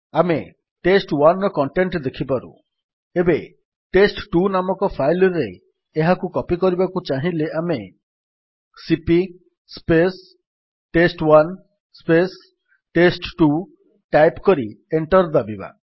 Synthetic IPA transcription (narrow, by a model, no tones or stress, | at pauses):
ame | ʈesʈwanːɔkɔɳʈeɳʈd̪ekʰibaɾṵ | ebe | ʈesʈʈunamɔkɔpʰajlɔɾḛː | ɦakukɔpikɔɾibakut͡ʃaɦileʔame | sipi | spes | ʈesʈwan | spes | ʈesʈʈu | ʈajpkɔɾieɳʈɔɾd̪abiba̰